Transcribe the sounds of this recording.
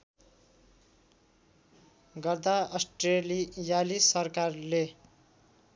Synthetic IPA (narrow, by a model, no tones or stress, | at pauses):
ɡʌrd̪aʌsʈrelijalisʌrkarle